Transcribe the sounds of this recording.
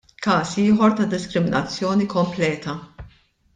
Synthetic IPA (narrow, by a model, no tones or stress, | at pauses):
kɐːsiːħɔɾt̪ɐd̪ɪskɾɪmɪnɐt͡sːjɔːnikɔmplɛːt̪ɐ